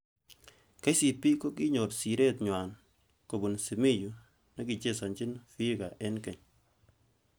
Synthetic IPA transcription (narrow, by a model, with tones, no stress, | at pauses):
ka˦jsi˨pi˦ko˦ki˦ɲo˨tsi˨ɾɛ˦tɲwa˨n | ko˨bu˨nsi˨mi˦˨ju˨ | nɐ˦ki˨t͡ʃe˦sa˨nt͡ʃi˦nfi˦ka˨ʔɛ˦nkɛ˨ɲ